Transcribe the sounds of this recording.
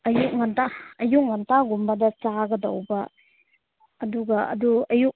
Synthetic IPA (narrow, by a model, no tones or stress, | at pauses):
ɐjuk̚ŋantaɐjuk̚ŋantaɡumbɐdɐt͡ʃaɡɐdɐwbɐ | duɡɐɐ̰duɐjuk̚